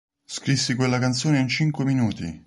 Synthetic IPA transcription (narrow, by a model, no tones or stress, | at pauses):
skɾisːikwelːakant̪soːneint͡ʃiŋkweminuːt̪ḭ